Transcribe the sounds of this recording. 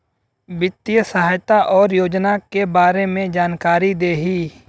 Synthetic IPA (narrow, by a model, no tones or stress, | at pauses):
ʋɪt̪ːijəsəɦaːjt̪aʔɔːɾjoːd͡ʒnakebaːɾemẽd͡ʒaːnkaːɾid̪eːɦiː